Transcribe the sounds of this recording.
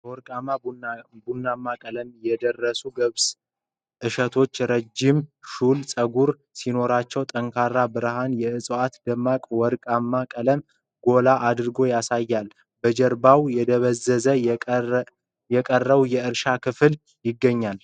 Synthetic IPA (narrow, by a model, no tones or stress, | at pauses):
wɔɾkʼamabunːamːakʼələmjɛd̪ərːəsuɡəβs | ʔɨʃət̪ʰo̞t͡ʃːɾəd͡ʒimʃulsʼəɡuɾ | sino̞ɾat͡ʃːɛwt̪ʼəŋkʰarːabɨɾhanjɛɨsʼoat̪d̪əmːakʼwɔɾkʼamːakʼələm | ɡo̞laʔad̪ɾɨɡo̞jasajːal | bəd͡ʒɛɾbawjɛd̪əβəzəzə | jɛkʼərːəβujɛɨɾʃakʰɨfɨl | jɪɡːəɲːal